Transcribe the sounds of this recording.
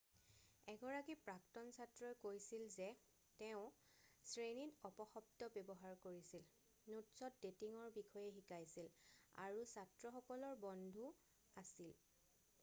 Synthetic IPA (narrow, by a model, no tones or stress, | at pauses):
ɛɡɔɹakipɹaktɔnsatɹɔjkojsilzɛ | tɛʊ̃sɹenitɔpɔxɔb̚tɔbɛbɔɦaɹkoɹisil | nutsɔt̚detiŋɔɹbikʰɔjɛxikajsila̰ɹusatɹɔxɔkɔlɔɹbɔndʱu | asil